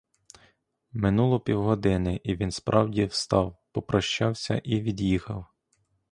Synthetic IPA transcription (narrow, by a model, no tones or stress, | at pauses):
mɪnulˠɔpʲiwɦɔd̪ɪnɪʔiʋʲinspɾʔɑwdʲiwst̪ɑwpɔpɾɐʃt͡ʃɑwsʲɐ̰ʔiʋʲid̪jixɐw